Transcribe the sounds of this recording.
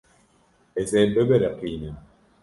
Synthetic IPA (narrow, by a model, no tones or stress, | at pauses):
esɛbebeɾeqinɛ